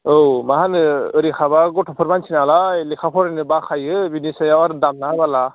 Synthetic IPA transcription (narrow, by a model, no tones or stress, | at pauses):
owmaɦanɯəɾikʰabaɡɔʈʰɔpʰɔɾbant͡ʃʰinalailikʰapʰɔɾnɯbakʰajɯbinisajawaɾd̪amnaɦabala